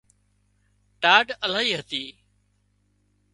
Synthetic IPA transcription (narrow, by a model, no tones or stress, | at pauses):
ʈaːɖəlaːɦiːɦət̪iː